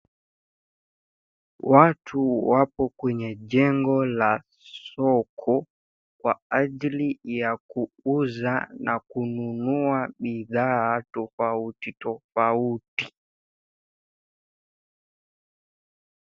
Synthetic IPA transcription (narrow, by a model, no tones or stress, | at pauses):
watʰuwapɔkwɛɲɛd͡ʒɛŋɡɔla | sɔkʰɔ | kwaad͡ʒilijakuuzanʔakununuaɓiðaːtɔfautitɔfauti